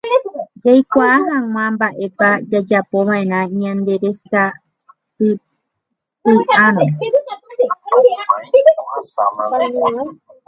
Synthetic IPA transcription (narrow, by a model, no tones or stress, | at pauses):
d͡ʒajkʷaːɦãŋ̃ãmbaʔe̞pad͡ʒad͡ʒapoβãẽɾãiɲãnd̪e̞ɾe̞sa | s | pɨʔanõ